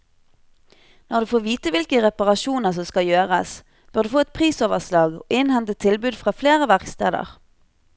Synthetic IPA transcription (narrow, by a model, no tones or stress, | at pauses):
nɔʁd̪ʉːfoːʁʋiːt̪əʋɪlkəʁɛpɑʁɑʃuːnəʁsɔmskɑljøːʁəs | b̥øːʁd̪ʉːfoːɛt̪̚pʰʁiːsoːʋəʁslɑːɡo̰ːʔɪnhɛnt̪ət̪ʰɪlbʉːd̪fʁɑːfleːʁəʋæʁkst̪ḛːd̪ə̰ʁ